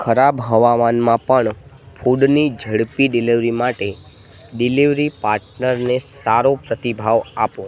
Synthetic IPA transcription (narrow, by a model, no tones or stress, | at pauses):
kʰəɾabɦəʋamanmãpəɳpʰuɖnid͡ʒʱəɽpiɖiliʋɾimaʈe | ɖɪliʋɾipaɾʈnəɾnesaɾopɾət̪ibʱaʋapõ